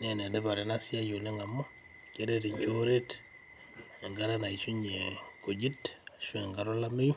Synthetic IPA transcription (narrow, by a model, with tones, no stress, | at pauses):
n˦ɛ˨nɛ˨dɛ˦ba˨ɾɛ˨˦na˦sɪ˦a˦jo˨lɛ˦ŋa˨mo˦ | t͡ʃe˦ɾe˦ɾi˨ɲt͡ʃo˦ɾe˦t | ɛ˨ŋɡa˦ɾa˦na˨i˨t͡ʃu˦ɲe˨ko˨d͡ʒi˦tʃwɛ˨ŋɡa˨ɾɔ˦la˦mi˦ju˦